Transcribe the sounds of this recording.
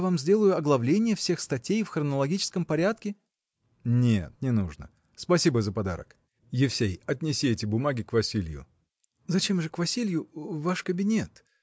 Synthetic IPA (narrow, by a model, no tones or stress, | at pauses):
vamzʲdʲe̞lˠəjʊɐɡlˠɐvlʲenʲɪjəfsʲexst̪ɐtʲejfxrənəlˠɐɡʲit͡ɕɪ̥skəmpɐɾʲat̪kʲɪ | nʲet̪nʲɪnuʐnə̰ | spɐsʲibəzəpɐd̪a̰ɾə̰k | jɪfsʲejɐtʲnʲɪsʲiɛtʲɪbʊmaɡʲɪkvɐsʲilʲjʊ̰ | zɐt͡ɕe̞mʐɨkvɐsʲilʲjʊvaʂkəbʲɪnʲe̞t̪